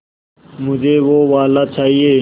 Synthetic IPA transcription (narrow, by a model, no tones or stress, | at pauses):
mʊd͡ʒʱeːʋoːʋaːlaːt͡ʃʰaːɦieː